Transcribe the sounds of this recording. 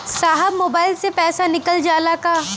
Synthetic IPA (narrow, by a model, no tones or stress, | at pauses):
saːɦəbmoːbaːɪlsepɛːsanɪkəld͡ʒaːlakaː